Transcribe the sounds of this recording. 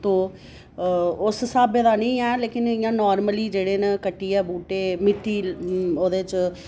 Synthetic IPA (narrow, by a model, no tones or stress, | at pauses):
t̪õː | ʊssaːbeːd̪aːnə̃ĩːɛːleːkɪnɪːãːnɔːɾməliːd͡ʒeːɽeːnẽkəʈːiːɛːbuːʈeːmɪt̪ːiːoːd̪eːt͡ʃ